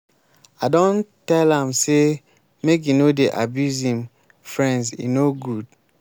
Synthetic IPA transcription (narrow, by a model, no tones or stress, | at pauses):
adɔ̃ntɛlãmse | mek̬jinodeʔa̰bjuzĩm | fɹɛ̃ndsḭnoɡud